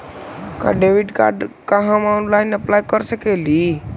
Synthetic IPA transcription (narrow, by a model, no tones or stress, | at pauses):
ka̰ɖeʋiɖka̰ɖkaɦəmanlaɪnəplajkəɾsəkeli